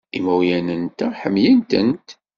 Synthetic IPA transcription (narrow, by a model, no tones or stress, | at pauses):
ḭmæjænənt̪æħəmjənt̪ənt̪